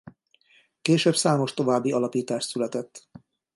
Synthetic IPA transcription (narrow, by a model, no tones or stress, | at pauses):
keːʃøːbsaːmo̞ʃt̪o̞vaːbːiɒlɒpiːt̪aːʃt̪sylɛt̪ɛt̪ː